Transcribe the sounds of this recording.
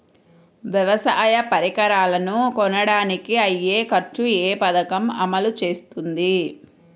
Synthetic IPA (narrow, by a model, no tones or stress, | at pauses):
ʋjɐʋɐsaːjɐpɐɾikɐɾaːlɐnukɔnɐɽaːnikiɐjːeːkɐɾt͡ʃueːpɐd̪ɐkɐmɐ̰mɐlut͡ʃe̞ːst̪und̪i